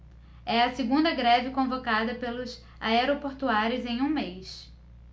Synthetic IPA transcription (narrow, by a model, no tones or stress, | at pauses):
ɛɐsɪɡũnd̪ɐɡɾɛvɪkõvokad̪ɐpelʊs | aɛɾopoɾt̪uaɾʊzẽj̃ũmejs